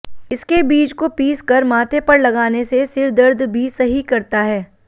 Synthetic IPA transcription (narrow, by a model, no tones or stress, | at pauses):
ɪskebiːd͡ʒkopiːskɐɾmaːt̪epɐɾlɐɡaːnesesɪɾd̪əɾd̪ʱbʱisɐɦikɐɾt̪aɦɛː